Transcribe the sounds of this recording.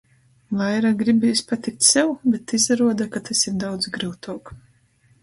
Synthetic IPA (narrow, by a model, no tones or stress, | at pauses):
lˠajɾaɡɾibʲijsʲpat̪ik̚t̪sɛwbet̪ːizaɾuɔd̪akat̪ɛsʲimd̪awd̪zɡɾɨwt̪uɔk